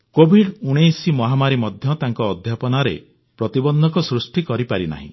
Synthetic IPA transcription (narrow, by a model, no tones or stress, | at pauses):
kobʱiɽuɽ̃esimɔɦamaɾimɔd̪ʱjɔt̪aŋkɔːd̪ʱjapɔnaɾḛ | pɾɔt̪ibɔnd̪ʱɔkɔsɾusʈikɔɾipaɾina̰ɦḭ̃